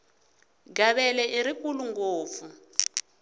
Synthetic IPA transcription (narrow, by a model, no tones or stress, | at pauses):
ɡaβɛlɛʔiɾikuluŋɡoːp̪fu